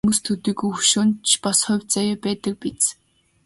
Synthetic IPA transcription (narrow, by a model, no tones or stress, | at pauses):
must̪ʰɵt̪iːɡujxɵʃʊːnt͡ɕʰpasχɔwʲt͡sajɔːpæːt̪ə̆k̚pit͡s